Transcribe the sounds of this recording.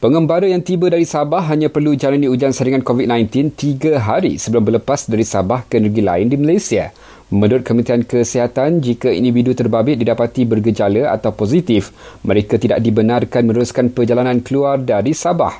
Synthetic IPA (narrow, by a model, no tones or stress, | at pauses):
pəŋəmbaɾəjaŋt̪ibədaɾisabaɦːaɲãpərlud͡ʒananiud͡ʒansaɾiŋãnkovit̪̚nãjnt̪ɪnt̪iɡaɦaɾḭsəbəlʊmbərləpasdaɾisabahkəenərɡila̰ɪndimalajsia | mə̃dʊt̪̚kəmənt̪iankəsiɦat̪and͡ʒikaḭndividut̪ərbabɪt̪̚didapat̪ibərɡəd͡ʒaləa̰t̪awpozit̪ɪfməɾekat̪ida̰ʔ̚dibənarkanmə̃nuɾuskanpərd͡ʒalanãnkəluardaɾisaba̰h